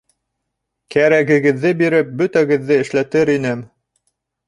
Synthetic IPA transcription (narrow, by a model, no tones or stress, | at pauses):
kæɾæɡɘ̆ɡɘ̆ðːɘbiɾɘp̚bɵ̆t̪æɡɘ̆ðːɘɘ̆ʃlæt̪ɘɾinɘm